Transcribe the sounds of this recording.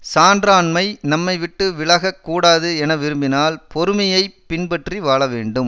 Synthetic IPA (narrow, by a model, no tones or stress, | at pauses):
saːnɖɾaːnmɐɪnɐmːɐɪʋɪʈːɯʋɪlɐɣɐkːuːɽaːðɯɛnɐʋɪɾɯmbɪnaːlpɔɾɯmɐjɐɪpːɪnbɐʈriʋaːɭɐʋeːɳɖɯm